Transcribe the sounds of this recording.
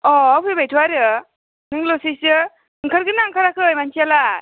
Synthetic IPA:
ɔawpʰebajtʰuwaɾɯ | nɯŋlosisɯ | ɯŋkʰaɾɡɯnaŋkʰaɾakʰɯjmansʰiala

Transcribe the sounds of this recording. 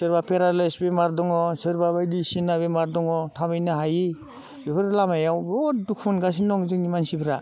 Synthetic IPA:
sɯɾbapʰeɾalasbemaɾdɔŋɔsɯɾbabajdisinabemaɾdɔŋɔtʰabɯjnɯɦaji | bipʰɯɾlamajawbɔdukʰɔnɡas̬inɔŋzɯŋnimansibɾa

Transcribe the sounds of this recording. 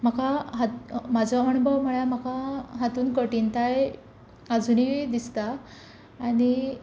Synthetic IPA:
m̤akaɦat̪mad͡zʱɔəɽubʱəʋm̤əɭjamakaɦat̪uːnkəʈint̪aj | ad͡zunid̪ist̪aː | ɽi

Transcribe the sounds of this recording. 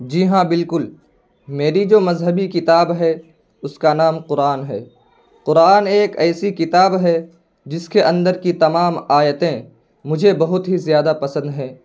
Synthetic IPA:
d͡ʒiɦãbɪlkʊl | meːɾid͡ʒoːmɐzɦəbikɪt̪aːbɦɛ | ʊskanaːmqʊɾaːnɦɛː | qʊɾaːneːkɛːsikɪt̪aːbɦɛ | d͡ʒɪskeʔɐ̃nd̪əɾkit̪ɐmaːmaːjət̪ẽ | mʊd͡ʒʱebɐɦʊt̪ɦizjaːd̪apɐsə̃nd̪ɦɛ̃ː

